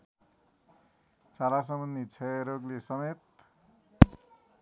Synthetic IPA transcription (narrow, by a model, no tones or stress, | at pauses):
t͡salas̬ʌmʌnːit͡sʰʌeɾoɡlesʌmet̪̚